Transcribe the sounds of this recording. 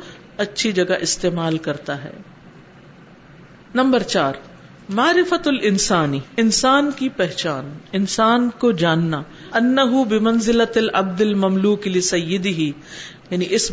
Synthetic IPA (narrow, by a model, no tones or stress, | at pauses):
ɐtːʃʰid͡ʒɐɡaʔɪst̪eːmaːlkɐɾt̪aɦɛ̰ː | nɐ̃mbɐɾt͡ʃaːɾ | maːɾɪfɐt̪ɐlʔɪnsaːniɪnsaːnkipɛɦt͡ʃaːnɪnsaːnkod͡ʒaːnːa | ɐnːɐɦʊbɪmɐnzɪlɐlʔɐ̰b̚d̪ɪlmɐmluːklɪsɐjːɪd̪ɪɦijɐniʔɪs